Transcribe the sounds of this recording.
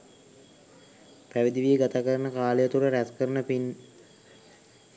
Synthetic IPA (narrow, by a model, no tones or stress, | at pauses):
pæʋid̪iʋieɡat̪akəɾənəkaːlejət̪uɾəɾæskəɾənəpin